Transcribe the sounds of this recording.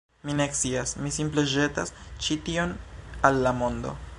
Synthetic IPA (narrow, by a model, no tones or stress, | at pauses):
mine̞kt͡siasmisimple̞ʒe̞tast͡ʃitio̞nalːamo̞nd̪o̞̰